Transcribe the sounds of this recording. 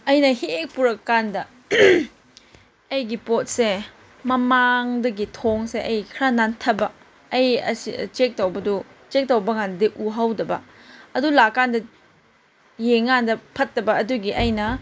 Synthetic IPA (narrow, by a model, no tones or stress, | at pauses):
ɐjnɐhiek̚puɾɐkːandɐ | ɐjɡipot̚se | mɐmaŋdɐɡitʰoŋseʔɐjkʰɾanantʰɐbɐː | jɐsḭt͡ʃek̚towbɐdut͡ʃek̚tɐwbɐŋanɐdiʔuɦawdɐbɐ | ɐdulakːandɐ | jeŋːandɐpʰɐtːɐbɐɐduɡiʔɐjnɐ